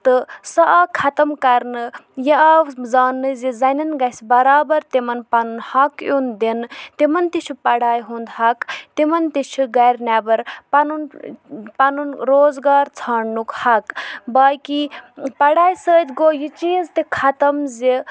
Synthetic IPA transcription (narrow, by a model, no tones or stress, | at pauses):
t̪ɨsɐʔaːkʰɐt̪ɐmkɐɾnɨjɐazaːnːɨzizɐnɐnɡɐsbɐɾaːbɐɾt̪emɐnpɐnunhɐkjund̪enɨt̪imɐnt̪it͡ʃʰupɐɽaːjɦund̪ɦɐkt̪imɐnt̪it͡ʃʰuɡɐɾʲnʲabɐɾpɐnunpɐnunɾoːzɡaːɾt͡sʰaːɳnukhɐkbaːkipɐɽaːjsəːt̪ʲɡoːjit͡ʃiːzt̪ekʰɐt̪ɐmze